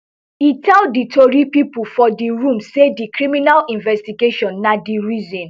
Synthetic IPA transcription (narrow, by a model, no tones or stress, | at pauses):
itʰɛlditoɹipipufɔdiɹũmsedikɹiminalĩnvɛstiɡeʃɔ̃nːadiɹizĩn